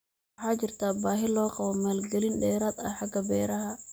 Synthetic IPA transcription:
ħad͡ʒiɾt̪abaːɦilɔːkawamɛlɡelinɗɛːɾat̪a̰ħaɡabɛɾaha

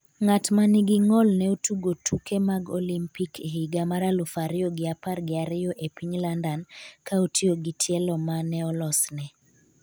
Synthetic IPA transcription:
ŋatmanɪɡɪŋɔlnɛutuɡotukemaɡɔlimpikʰeɦiɡamaɾalʊfaɾɪɔɡɪaparɡɪaɾɪjɔʔepiɲlandankautʰioɡɪtʰjɛlɔmanɛɔlɔsnɛ

